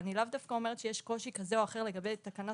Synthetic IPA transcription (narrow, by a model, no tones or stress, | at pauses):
nilavd̪afkao̞me̞ʁet̪ʃejeʃko̞ʃikazeo̞aχe̞ʁle̞ɡabe̞jt̪akana